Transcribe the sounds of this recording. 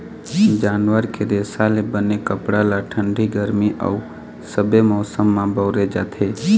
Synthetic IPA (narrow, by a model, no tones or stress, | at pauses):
d͡ʒaːnwəɾked̪eːsalebənekəpɽalaʈʰə̃ɳɖʱiɡəɾmiʔɔ̰u | səbemɔːsəmːãbɔːɾed͡ʒa̰ːt̪ʰeː